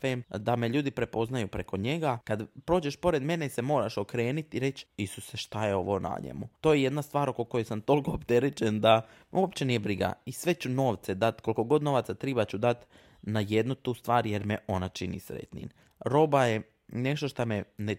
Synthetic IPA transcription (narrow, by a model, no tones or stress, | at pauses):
femd̪ame̞ʎuːd̪ipɾe̞po̞znajupɾeko̞ɲe̞ɡakad̪pɾo̞ːd͡ʑeʃpo̞ɾe̞d̪me̞nese̞mo̞ːɾaʃokɾe̞ːnit̪iɾe̞t͡ɕisuseʃt̪ajeo̞ʋo̞na̰ɲḛmṵt̪oːjeje̞d̪nast̪ʋaːɾo̞ko̞ko̞jojsamt̪o̞lkoːpt̪e̞ɾet͡ʃend̪a | uopt͡ɕe̞nijebɾiɡa̰isʋe̞t͡ɕuno̞ːʋt̪sed̪at̪ko̞lˠko̞ɡo̞d̪no̞ʋat̪sat̪ɾibat͡ɕud̪at̪ | naje̞d̪nut̪uːst̪ʋaːɾje̞ɾmeʔo̞nat͡ʃinḭsɾḛt̪nḭn | ɾo̞baje | ne̞ʃt̪oʃt̪amene